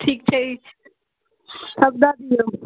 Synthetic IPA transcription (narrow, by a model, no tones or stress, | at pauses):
ʈʰikt͡ʃʰi | t̪ʰək̚d̪ad̪ijo